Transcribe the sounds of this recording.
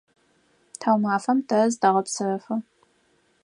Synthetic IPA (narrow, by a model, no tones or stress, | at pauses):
tʰawmaːfɐmtʰɐzdɐʁɐpsɨrɐfɐ